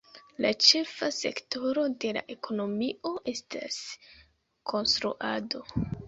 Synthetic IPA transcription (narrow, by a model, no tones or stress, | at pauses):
lat͡ʃe̞fase̞̰kto̞ɾo̞de̞la̰ʔe̞kʰo̞no̞mio̞ʔe̞sta̰s | kʰo̞nstɾṵʔado̞